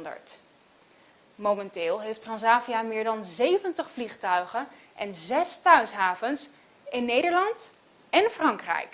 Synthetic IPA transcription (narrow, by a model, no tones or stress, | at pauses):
ndə̰ɹt | momɛntɪːlˠɦejftrɑnsaːvijamɪːɹdɑnzejvəntəχfliχtœɥχən | ʔɛnzɛstœɥsɦaːvəns | ɪnːejdəɹlɑnt | ɛnfrɑŋkrɛ̰jk